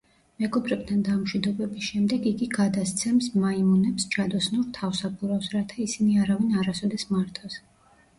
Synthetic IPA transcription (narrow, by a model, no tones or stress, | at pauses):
mɛɡɔbɾɛb̚t̪ʰand̪amʃwid̪ɔbɛbisʃɛmd̪ɛɡiɡiɡad̪ast̪sʰɛmsmaimunɛpst͡ʃʰad̪ɔsnuɾt̪ʰafsabuɾafsɾat̪ʰaisiniaɾavinaɾasɔd̪ɛsmaɾt̪ʰʼɔs